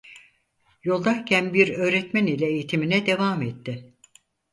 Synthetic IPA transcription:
jo̞lˠd̪acʰænbiɾø̞ːɾɛt̪mænilʲɛejit̪ʰiminɛd̪e̞vaːmet̪ʰːɪ

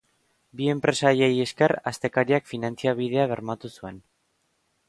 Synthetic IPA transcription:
bie̞mpɾe̞sajeje̞ske̞rast̪e̞kaɾiakfinant͡siaβ̞ið̞e̞aβ̞e̞ɾmat̪usue̞n

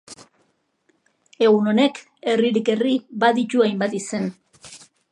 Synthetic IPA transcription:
e̞ɣuno̞ne̞k | e̞riɾike̞ribaðit̪uajmbat̪ise̞n

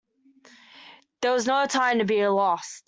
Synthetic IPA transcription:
ðə˞wʌznoʊtʰãɪ̃mtɨbilɔst̚

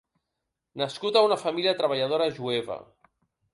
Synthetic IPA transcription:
naskut̪aunafamiliat̪ɾəβ̞aʎað̞oɾaʒuɛβa̰

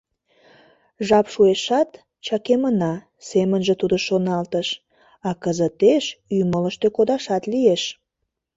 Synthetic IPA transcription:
ʒɑpʃueʃɑt̪ | t͡ɕɑkemənɑ | semənʒet̪ud̪oʃonɑlt̪əʃ | ɑkəzət̪eʃymələʃt̪økod̪ɑʃɑt̪lieʃ

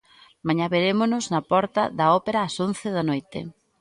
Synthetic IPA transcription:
maɲaβeɾemʊnʊznɐpɔɾt̪ɐðɐɔpeɾɐːsonθeðɐnojt̪ɪ̰

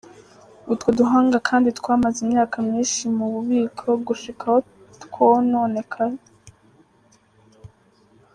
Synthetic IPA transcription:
utwoduɦaːŋɡakʰaːnditkwaːmazimɲaːkʰamɲiːnʃimuβuβiːkʰo̞ɡuʃikʰaho | tkonoːnekʰaɾe

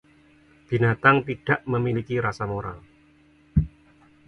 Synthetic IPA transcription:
b̥i̤nat̪aŋt̪iɖ̥aʔməmilikiɾasamoɾa̰l

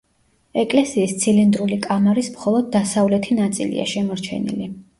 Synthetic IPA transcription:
ɛkʼlɛsiːst̪sʰilind̪ɾulikʼamaɾismχɔlˠɔd̪̚ːasavlɛt̪ʰinat̪sʼḭlḭa̰ʃɛmɔɾt͡ʃʰɛ̰nḭli

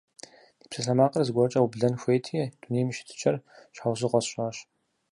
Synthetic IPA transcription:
di̥ːpsɐɬɐmaːqʼɐrzɨɡʷɔt͡ʃʼɐwubɮɐnxʷejtʰid̥unejmɨʃɪ̥tʰɨ̥t͡ʃʰʼɐrʃaːwzɨqʷɔsɕʼɐɕ

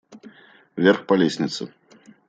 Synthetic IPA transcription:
vʲɛrxpalʲesʲnʲit̪sɨ̰

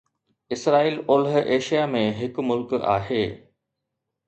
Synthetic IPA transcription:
ɪsɾaːiːlʊlɦʔeːʃijamẽɦɪkmʊlka̰ːɦeː

